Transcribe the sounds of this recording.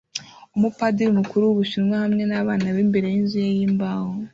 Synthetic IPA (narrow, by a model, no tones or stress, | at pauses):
umupadiɾumukuɾuwuβuʃinŋwahamŋe̞naβaːnaβiːmbe̞ɾejinzujejiːmbaːho